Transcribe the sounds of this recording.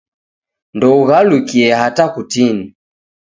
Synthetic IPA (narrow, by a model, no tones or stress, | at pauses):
ndɔuɣalukiɛhatakutini